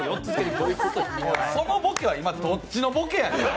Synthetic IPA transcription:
jotːt͡sɨzɨkeɾɯk̪oːjɯkot̪ooso̞nobo̞keaimad̪o̞t͡ɕino̞bo̞kejãn

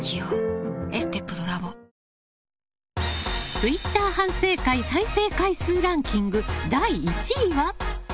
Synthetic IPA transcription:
kʲioest̪epːɯd̪oɾabo | t͡sɨit̪ːaːhãɰ̃se̞ːkaisaise̞ːkaisɨːɾãŋkʲĩŋɡɯ̟d̪aiːt͡ɕiiβa

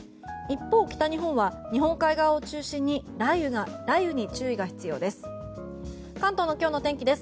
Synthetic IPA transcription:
ipːo̞ːkʲi̥t̪aɲ̟iɦõ̞ɰ̃βaɲ̟iɦõ̞ŋkaiɡaβao̞t͡ɕɨːɕĩɲ̟ːiɾaiɯ̟ɡaɾaiɯ̟ɲ̟it͡ɕɨːiɡaçʲi̥t͡sɨjo̞ːd̪e̞sɨ̥ | kãnt̪o̞ːno̞kʲoːno̞t̪ẽ̞ŋkʲid̪e̞sɨ̥

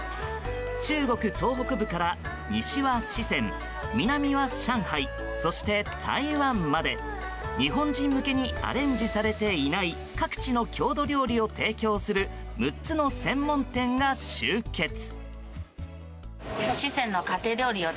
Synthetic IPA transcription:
t͡ɕɨːɡo̞kɯ̟t̪o̞ːɦo̞kɯ̟bɯ̟kaɾa | ɲiɕiβaɕisẽ̞m | mʲinamʲiβaɕãɰ̃hai | so̞ɕi̥t̪e̞t̪ʰa̰iβãmːad̪e̞ | ɲiɦõ̞ɲd͡ʑĩmːɯ̟ke̞ɲ̟ia̰ɾẽ̞ɲ̟d͡ʑisaɾe̞t̪e̞inai | kakɯ̥t͡ɕino̞kʲʰo̞ːd̪o̞ɾʲo̞ːɾʲio̞t̪e̞ːkʲo̞ːsɨɾɯ̟ | mɯ̟tt͡sɨno̞sẽ̞mːõ̞nt̪ẽ̞ŋɡaɕɨːke̞t͡sɨ̥ | koɕisẽ̞nːo̞kat̪e̞ːɾʲjo̞ːɾʲio

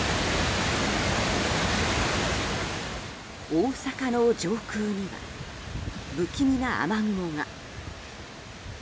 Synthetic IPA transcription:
oːsakanod͡ʑo̞ːkɯːɲ̟iβa̰ | bɯ̟kʲimʲinaʔa̰maŋɯ̟moŋa

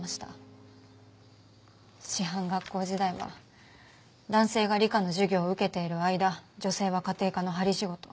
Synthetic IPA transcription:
maɕi̥t̪a̰ | ɕiɦãŋɡakːo̞ːʑid̪aiβa̰ | d̪ãɰ̃se̞ːɡaɾʲikano̞ʑɨɡʲo̞ːɯ̟ke̞t̪e̞iɾɯ̟aid̪ad͡ʑo̞se̞ːβakat̪e̞ːkano̞ɦaɾʲiɕiɡo̞t̪o̞

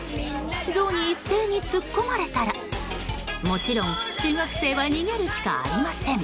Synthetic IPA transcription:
d͡zo̞ːɲ̟iːsːe̞ːɲ̟it͡sɨkːo̞maɾe̞t̪aɾa | mo̞t͡ɕiɾõ̞ŋt͡ɕɨːɡakɯ̟̥se̞ːβaɲiɡe̞ɾɯ̟ɕi̥ka̰a̰ɾʲimasẽ̞ŋ

